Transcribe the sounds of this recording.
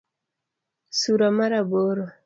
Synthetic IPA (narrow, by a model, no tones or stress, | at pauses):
suɾamaɾabɔɾɔ